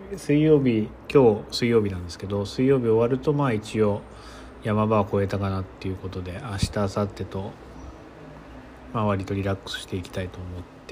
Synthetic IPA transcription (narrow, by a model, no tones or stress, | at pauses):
sɨijo̞ːbʲikʲo̞ːsɨijo̞ːbʲinãnd̪e̞sɨ̥ke̞d̪o̞sɨijo̞ːbʲio̞βaɾɯ̟t̪o̞maːit͡ɕio̞ | jamabaβako̞e̞t̪akanat̪ːe̞jɯ̟ko̞t̪o̞d̪e̞aɕi̥t̪aːsat̪ːe̞t̪o̞ | maβaɾʲit̪o̞ɾʲiɾakːɯ̥sɨ̥ɕi̥t̪e̞ikʲi̥t̪ait̪o̞ːmo̞t̪ːe